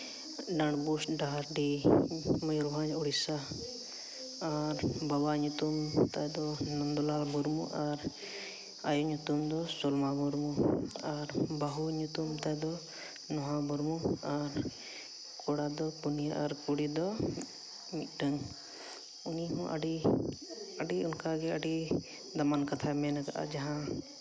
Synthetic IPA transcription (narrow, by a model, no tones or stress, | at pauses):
ɖaɳɖbusɖaɦɾɖi | məjuɾbʱãd͡ʒuɽisa | ɾbawaɲut̪umt̪ad̪ɔnɔnd̪ɔlalbuɾmuʔaɾ | ajɔɲut̪umd̪ɔsɔlmabuɾmuaɾbaɦuɲut̪umt̪ad̪ɔ | nɔɦãbuɾmuaɾ | kɔɽad̪ɔpunijaʔaɾkuɽid̪ɔ | mit̪̚ˀʈəŋ | uniɦɔ̃ʔa̰ɖi | əɖiunkaɡɛəɖi | d̪amankat̪ʰamɛnaka̰ʔa̰d͡ʒaɦã